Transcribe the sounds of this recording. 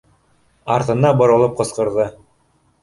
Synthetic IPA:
ɑɾt̪ɤ̆nɑbŏɾŏlˠɤp̚qɤ̆sqɤ̆ɾðɤ

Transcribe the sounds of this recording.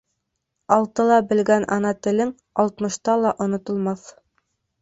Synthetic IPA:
ɑlˠt̪ɤlˠɑbɘ̆lɡænʔɑnɑt̪ɘ̆lɘŋ | ɑlˠt̪mɤ̆ʃt̪ɑlˠɑʔŏnŏt̪ŏlˠmɑθ

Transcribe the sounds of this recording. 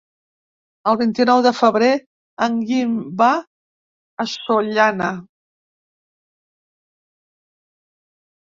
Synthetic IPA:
əlˠβint̪inɔwðəfəβɾe | əŋɡimba | əsoʎana

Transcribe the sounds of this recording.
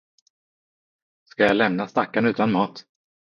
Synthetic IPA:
skajalɛmnast̪akːanʉ̟ːt̪anmɑːt̪

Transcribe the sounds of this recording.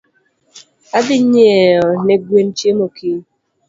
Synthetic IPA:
adɪɲ̩ɲeeoneɡʷwen̩t͡ʃemoki

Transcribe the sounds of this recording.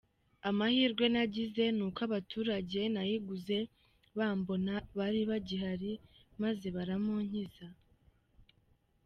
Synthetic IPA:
amahiːɾɡwe̞naɟize̞nuːkwaβatuːɾaɟe̞najiɡuze̞ | βaːmbo̞naβaɾiβaɟiɦaɾimaze̞βaɾamoɲ̥iza

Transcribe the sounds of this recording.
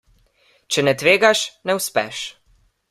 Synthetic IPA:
t͡ʃɛnɛt̪ʋeːɡaʃnɛwspɛ̰ʃ

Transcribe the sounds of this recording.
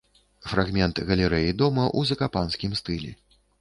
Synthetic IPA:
fraɣmʲɛnt̪ɣɐlʲɛɾɛjid̪ɔmɐʔuzɐkapansʲkʲimst̪ɨlʲɛ̰

